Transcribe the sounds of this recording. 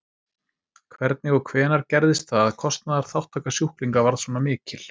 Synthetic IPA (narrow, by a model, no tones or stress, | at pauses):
kʰvɛɾt̪̚nɪɣɔkʰvɛːnaɾcɛɾðɪst̪θaðaðkʰɔst̪naðaɾ̥θawht̪ʰːakasjuhkliŋkavaɾðsvɔːnamɪːcɪl̥